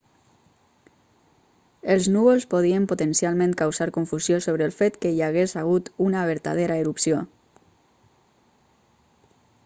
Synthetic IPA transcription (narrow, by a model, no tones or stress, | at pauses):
əlˠznuβolˠspoð̞iəmpot̪ənsjalˠmẽnkawzaɾkuɱfuzjosoβɾəlˠfet̪kəiaɣezaɣ̞ut̪unaβ̞əɾt̪a̰ð̞eɾaeɾupsio